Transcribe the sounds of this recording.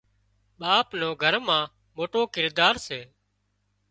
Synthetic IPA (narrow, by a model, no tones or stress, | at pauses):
ɓaːpnoːɡʱəɾmãː | moːʈoːkɪɾd̪aːɾseː